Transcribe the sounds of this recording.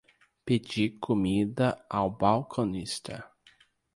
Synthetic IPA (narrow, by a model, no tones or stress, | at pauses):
ped͡ʒikʰomid̪ɐawbawkʰõnist̪ʰɐ